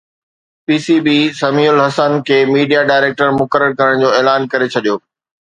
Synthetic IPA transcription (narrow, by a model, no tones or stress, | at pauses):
piːsibiːsɐmiːʊlɦɐsənkʰeːmiːɖijaɖaːɪɾeːk̚ʈəɾmʊkəɾəɾkɐɾəɽ̃d͡ʑoːeːlaːnkɐɾet͡ɕʰɐɗijoː